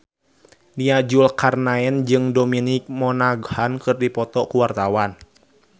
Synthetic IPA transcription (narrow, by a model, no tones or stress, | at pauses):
niad͡ʒulkarnaɛnd͡ʒɨŋdɔminɪk̚mɔnaɡhankɨrdipɔt̪ɔkuwart̪awan